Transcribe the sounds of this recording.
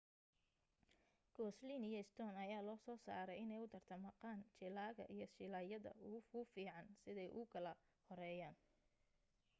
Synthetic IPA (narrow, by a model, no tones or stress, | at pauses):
ɡ̥ʰɔːsliːnijɞɪst̪ʰɔːnɐjaːlɔːsɔːsa̰ːɾɛjɪnɛjʊt̪ʰɐrt̪ʰɐmɐqɑːnt͡ʃɪlaːɣɐ̰ʔijɞʃɪlaːjɐðɐ̰ʊʊfiːʕɑnsɪðɛjʔʊ̰kʰɐlɐ | hɔɾɛːjaːn